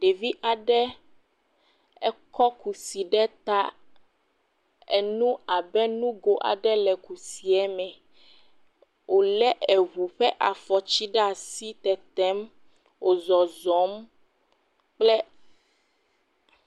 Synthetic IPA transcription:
ɖe˨vi˦ʔa˨ɖɛ˦ | ɛ˦kɔ˦ku˨si˨ɖɛ˦t̪a˦ | ɛ̰˨nũ˦a˨bɛ˦nũ˦ɡo˨ʔa̰˨ɖɛ˦lɛ˨ku˨si˨ɛ˦mɛ̃˨ | wʔo˨lɛ˦ʔɛ˨ɣu˨ɸɛ˦ʔa˨fɔ˨t͡ɕi˦ɖa˨si˦t̪ɛ˨t̪ɛ˦m | wo˨zɔ˨zɔ˨˦m | k͡plɛ˦

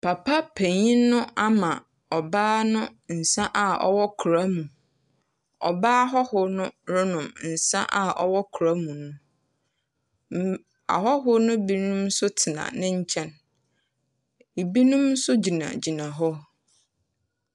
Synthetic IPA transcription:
pʰa˨pʰa˦pʰẽ˨ɲĩ˦nʊ̃˦ʔa˦mã˨ | ɔ˨baː˦nʊ̃˦n̩˨sã˦ʔa˨ɔ̰˦wɔ˦kʰu˨ɾa˦mũ˨ | ɔ̰˨baː˦ɦɔ˦hʊ˨nʊ̃˦ɾʊ˦nʊ̃˨mn̩˨sã̰˦ʔa˨ʔɔ̰˦wɔ˦kʰu˨ɾa˦mũ˨nũ˦ | a̰˨ɦɔ˦ɦʊ˦nʊ̃˦bi˦nũ˦msʊ˦tʰɪ˨nã̰˨nɪ̃˦ɲ̩˦t͡ɕʰɛ̃˦n | i˨bi˦nũ˦m˦sʊ˦d͡ʑi˨nã̰˨d͡ʑi˨nã˨ɦɔ˦

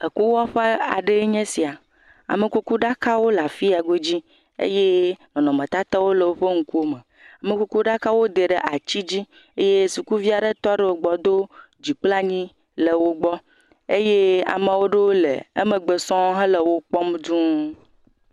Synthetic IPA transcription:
e˨ku˦wɔ˦ɸe˦a̰˨ɖe˦ɲẽ˦si˨a˨ | a̰˨me˨ku˦ku˦ɖa˦ka˦wo˦la˨fi˦a˨ɡo˦d͡ʑi˦ | ḛ˦je˦nɔ̃˨nɔ̃˨mẽ˨t̪a˦t̪a˦wo˦lə˨wo˦ɸe˦ŋ̩˨ku˦o˦me˨ | a˨me˨ku˦ku˦ɖa˦ka˦wo˦d̪e˨ɖe˦˨ʔa˨t͡ɕi˦d͡ʑi˦ | e˦je˦su˨ku˦vi˦a˨ɖe˦t̪ɔ˦ɖe˨wo˨ɡ͡bɔ˨d̪o˦ | d͡ʑi˨k͡pla˦ɲĩ˦ | le˨wo˦ɡ͡bɔ˦ | e˦je˦a̰˨mẽ˨wo˦ɖe˦wo˦lḛ˨e˦me˨ɡ͡be˨sɔ̃˦ɦɛ̃˦lə˨wo˦k͡pɔ˦mdu˦

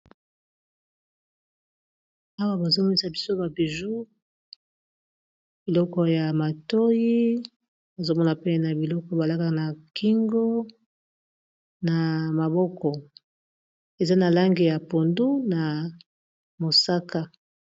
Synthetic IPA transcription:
a˦wa˦ba˨zo˦mo˦i˦sa˨bi˦so˦ba˨bi˨ʒu˦ | b̥i˨lɔ˦kɔ˨ja˨ma˨to˦ji˦ | ba˨zo˦mɔ˦na˨pe˦na˨bi˨lɔ˦kɔ˨˦ba˨la˦ka˦ka˦˨na˨ki˦ŋɡo˦ | na˨ma˨bɔ˦kɔ˨ | e˨za˦na˨la˦ŋɡi˨ja˨po˨ndu˦na˨ | mo˨sa˦ka˦

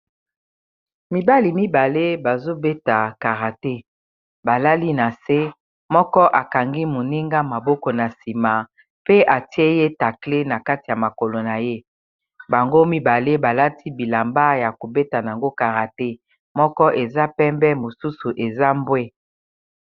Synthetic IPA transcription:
mi˨ba˦li˨mi˦ba˨le˦ba˨zo˦be˦ta˨ka˨ʁa˨te˦ | ba˨la˦li˦na˨se˦ | mɔ˦kɔ˦ʔa˨ka˨ŋɡi˦mo˨ni˦ŋɡa˦ma˨bɔ˦kɔ˨na˨si˨ma˨ | pe˦ʔa˨ti˦e˦je˦ta˨kle˦na˨ka˦ti˨ja˨ma˨ko˨lo˨na˨je˦ | ba˨ŋɡo˦mi˦ba˨le˦ba˨la˦tʰi˦bi˨la˨mba˦ja˨ko˨be˦ta˨n˨a˨ŋɡo˦ka˨ʁa˨te˦ | mɔ˦kɔ˦ʔe˨za˦pɛ˦mbɛ˦mo˨su˦su˨ʔe˨za˦mbwe˦

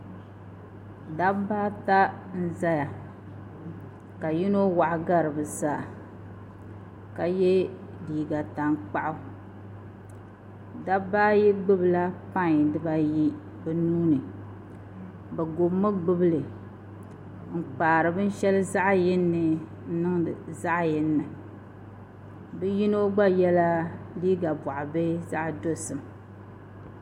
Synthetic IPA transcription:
da˦baː˦ta˦n̩˦za˦ja˨ | ka˨ji˦no˦wa˨ʔɡa˦ɾɨ˨bɨ˨zaː˨ | ka˨jɛ˦diː˨ɡa˨ta˨ŋk͡pa˦ʔʊ˦ | da˦baː˦jɛ˦ɡ͡bɨ˦bɨ˨la˦pa˦˨ɲ˨dɨ˦ba˦ji˦ | bɛ˨nuː˦nɨ˨ | bɛ˨ɡo˨bmɨ˦ɡ͡bɨ˦bɨ˦lɨ˨ | ŋ̩˨k͡paː˨ɾɨ˨bɨ˦n̩˦ʃɛ˦lɨ˦za˦ʔjɪ˦nːɨ˨ | n̩˦nɨ˦ŋ˨za˦ʔjɪ˦nːɨ˨ | bɨ˦ji˦no˦ɡ͡ba˦jɛ˦la˦liː˦ɡa˨bɔa˨ʔa˨bɛ˦za˦ʔdo˦sɨ˨m

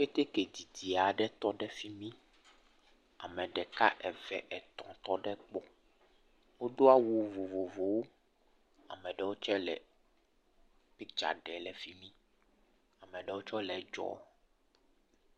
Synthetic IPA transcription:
ɸe˦t̪e˦ke˨d̪i˨d̪i˨a˨ɖɛ˦t̪ɔ˦ɖɛ˦fi˦mĩ˦ | a̰˨mɛ̃˨ɖɛ˨ka̰˦ʔɛ˨vɛ̰˨ʔɛ˨t̪ɔ̰̃˨t̪ɔ˦ɖɛ˦k͡pɔ˦ | wo˦d̪o˦a˦wu˨vo˨vo˨vo˨wo˦ | a̰˨mɛ̃˨ɖɛ˦wo˦t͡ʃɛ˦lɛ̰˨ | pi˦d͡ʒa̰˨ɖɛ˨lɛ˨fi˦mĩ˦ | a˨mɛ̃˨ɖɛ˦wo˦t͡ʃɔ˦lɛ˨˦d͡ʒɔ̰˦

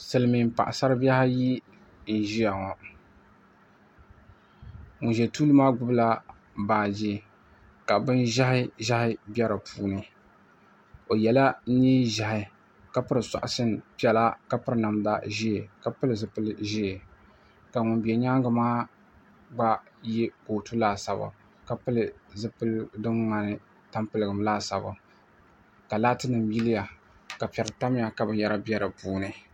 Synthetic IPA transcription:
sɨ˨lɨ˨mi˨m˨pa˨ʔa˨sa˦ɾɨ˦ba˦ha˦ji˦ | n̩˨ʒi˦ja˨ŋɔ˨ | ŋʊ˨ʒɛ˨tuː˦lɨ˦maː˦ɡʊ˦bla˦ | baː˨d͡ʒi˦ | ka˨bɨ˦nʒa˦hɪ˦ʒa˦hɪ˦bʲɛ˦ɾɨ˨pʰuː˦nɨ˨ | o˨jɛ˨la˦ɲiː˦ʒa˨hɪ˨ | ka˦pɨ˦ɾɨ˨sa̰˨ʔʊ˨sɨ˦npi˦ɛ˨la˦ka˦pɨ˦ɾɨ˦na˨mda˦ʒi˦˨ka˦pɨ˦lɨ˨zɨ˦pɨ˦lʒiː˦˨ | ka˨ŋʊ˨nbɛ˨ɲa˦ŋɡɨ˨maː˦ | ɡ͡ba˦jɛ˦ko˨tu˦laː˦˨sa˨bʊ̰˨ | ka˦pɨ˦lɨ˨zɨ˦pɨ˦ldɨ˦mŋa˨nɨ˦ | ta˦mpɨ˨lɨ˦ɡɨ˨mlaː˦sa˨bʊ̰˨ | ka˨laː˦tɨ˦nɨ˨mji˦lɪ˦ja˨ | ka˨pɛ˨ɾɨ˨ta˦m˦ja˨ka˨˦bɨ˨˦jɛ˦ɾa˦bɛ˦ɾɨ˨puː˦nɨ˨

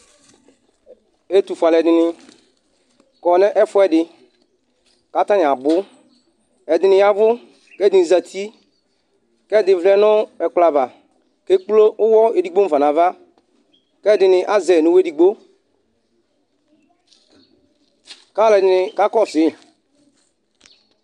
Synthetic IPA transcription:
e˦tu˨fa˨lɛ˨dɪ˨nɪ˧ | kɔ˨nɛ˦ʔɛ˦fʊ˦ɛ˦dɪ˧ | ka˦ta˦nɪ˨a˨bʊ˦ | ɛ˨dɪ˨nɪ̃˨˦ja˨vʊ˦ | kɛ˦dɪ˨n˨za˨tʰi˦ | kɛ˦˨dɪ˨vlɛ˦nʊ˦ɛ˨k͡pla˨va˨ | ke˦k͡plo˦ʔʊ˦wɔ˦e˨di˨ɡ͡bo˦˨va˨na˨va˦ | kɛ˦˨dɪ˨nɪ˧ʔa˦zɛ˨nu˨˦we˦di˨ɡ͡bo˦ | ka˦˨lɛ˨dɪ˨nɪ˧ka˦kɔ˦˨sɪ˨˦˨

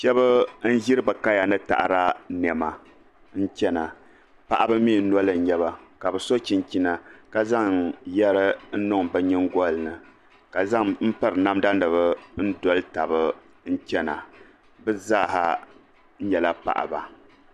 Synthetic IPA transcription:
ʃɛ˦βɨ˦n̩˦ʒɪ˦ɾɨ˦bɨ˨ka˦ja˨nɨ˦ta̰˨ʔɾa˦nɛ˨ma˨ | n̩˦t͡ʃɛ˦na˨ | pa˨ʔa˦bɨ˦mi˦˨n̩˦nɔ˦lɨ˨˦ɲɛ˦βa˨ka˨bɨ˨so˦t͡ʃi˦nt͡ʃi˦na˨ka˨za˦ŋjɛ˦ɾɨ˦n̩˦nʊ˦ŋbɨ˦ɲɪ˦ŋɡɔ˦lnɨ˨ | ka˨za˦ŋm̩˦pa˦ɾɨ˨na˦mda˦nɨ˨βɨ˦n̩˦dɔ˦lta˨bɨ˦ | n̩˦t͡ʃɛ˦na˨ | bɨ˦za˦˨ɦa˨ | n̩˦ɲɛ˨la˦pa̰˨ʔa̰˨ba˨

